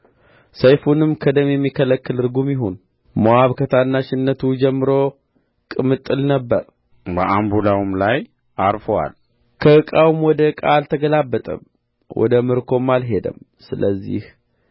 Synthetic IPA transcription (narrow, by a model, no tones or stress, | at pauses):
səjfunɨmkʰəd̪əmjɛmːikʰələkːɨlɨɾɡumjɪɦon | mowaβkʰət̪ʰanːaʃɪnːət̪ʰud͡ʒɛmːɨɾo̞ | kʼɨmɨt̪ʼːɨlnəbːəɾ | bəʔambulawmlaj | aɾfəwa̰l | kʰəɨkʼawmwɔd̪əkʼalt̪ʰəɡəlabːət̪ʼə̰m | wʔɔ̰d̪əmɨɾkʰo̞mːalɦe̞d̪ə̰m | sɨləzːḭh